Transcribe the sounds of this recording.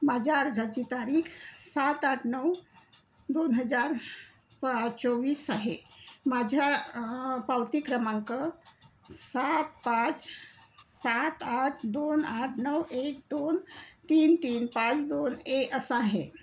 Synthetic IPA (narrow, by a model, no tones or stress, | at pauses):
mad͡ʒaɾd͡ʒad͡ʒit̪aɾikʰsat̪aʈʰnəw | d̪onɦəd͡ʒaɾ | pat͡ʃoʋiːsaɦemad͡ʒʱa | pawt̪ikɾəmãŋkə | sat̪̚pãt͡ʃ | sat̪aʈʰd̪onaʈʰnəwek̚d̪ont̪iːnt̪iːnpãt͡ʃd̪oneʔəsaɦe